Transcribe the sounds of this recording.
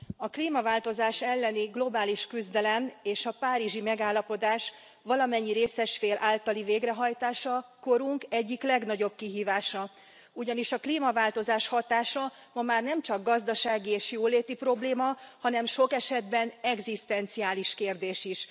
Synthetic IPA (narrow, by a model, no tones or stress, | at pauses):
ɒkliːmɒvaːlt̪o̞zaːʃɛlːɛniɡlo̞baːliʃkyzd̪ɛlɛmeːʃɒpaːɾiʒimɛɡaːlːɒpo̞d̪aːʃ | ʋɒlɒmɛɲːiɾeːsɛʃfeːlʔaːlt̪ɒliveːɡrɛɦɒjt̪aːʃɒko̞ɾuŋkɛɟːiklɛɡnɒɟo̞b̚kiɦiːvaːʃɒ | uɟɒniʃɒkliːmɒvaːlt̪o̞zaːʃhɒt̪aːʃɒ | mɒmaːrnɛmt͡ʃɒɡːɒzd̪ɒʃaːɡieːʃjoːleːt̪ipro̞bleːmɒhɒn̪ɛmʃo̞kɛʃɛd̪bɛnɛɡzist̪ɛnt̪siaːliʃkeːrd̪eːʃiʃ